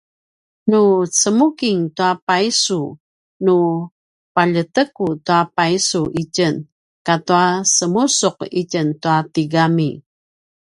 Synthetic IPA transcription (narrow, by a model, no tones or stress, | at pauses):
nut͡səmukiŋtuapaisu | nu | paʎətəkutuapaisuʔicən | katuasəmusuqicəntuatiɡami